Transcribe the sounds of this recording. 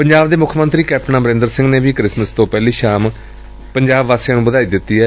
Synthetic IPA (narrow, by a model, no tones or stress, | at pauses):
pəɲd͡ʒaːbd̪eːmʊkʰmənt̪ɾiːkɛːp̚ʰʈnaːbəɾɪ̃nd̪əɾsɪ̃ŋɡneːʋiːkɾɪsməst̪õːpɛːliːʃaːm | pəɲd͡ʒaːbʋaːsejãːnũːbəd̪aːiːd̪ɪt̪ːiːɦɛː